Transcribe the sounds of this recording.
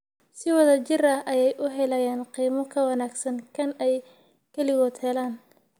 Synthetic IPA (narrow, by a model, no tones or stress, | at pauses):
sɪwɐðɐt͡ʃɪrɐɦʔɐjɛjʔʊɦɛlɐjaːnqiːmɔkʰɐwɐnaːɡsɐnkʰɐnɛj | kʰɐlɪɣɔːd̪hɛlaːn